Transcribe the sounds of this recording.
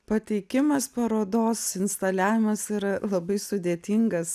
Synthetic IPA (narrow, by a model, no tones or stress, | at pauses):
pɐt̪ʲɛɪkʲɪmɐspɐɾoːd̪oːsɪnst̪ɐlʲæːʋʲɪmɐsiːɾɐlˠɐbɐɪsʊd̪ʲeːt̪ʲiŋɡɐs